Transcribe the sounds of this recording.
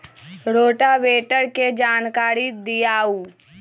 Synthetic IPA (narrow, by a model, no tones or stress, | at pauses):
ɾoːʈaʋeːʈəɾked͡ʒaːnkaːɾid̪ijaːuː